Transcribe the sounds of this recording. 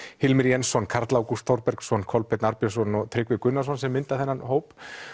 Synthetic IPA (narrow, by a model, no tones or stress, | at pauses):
hɪlmɪɾjɛnsːɔnkʰaɾ̥t̪lawkust̪ʰɔwɾpɛɾksɔnkʰɔlpɛt̪naɾpjɔsɔnɔɣt̪ʰɾɪkvɪkʏnːḁsɔnsɛmːɪnt̪aθɛnːanɦoːwp